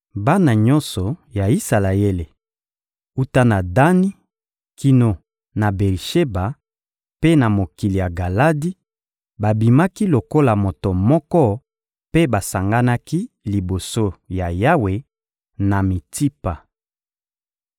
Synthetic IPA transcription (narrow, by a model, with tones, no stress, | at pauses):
ba˦na˨ɲɔ̃˦nsɔ˨ja˨i˦sa˨la˨e˦le˨ | u˦ta˦na˨da˦ni˦ | kʰi˦no˨ | na˨be˨ʁi˨ʃe˦ba˨ | pe˦na˨mo˨ki˨li˨ja˨ɡa˨la˦di˦ | ba˨bi˨ma˦ki˦lo˨ko˦la˨mo˨to˨mɔ˦kɔ˦ | pe˦ba˨sa˨ŋɡa˦na˦ki˦ | li˨bo˨so˦ja˨ja˦we˨ | na˨mi˨ti˦pa˨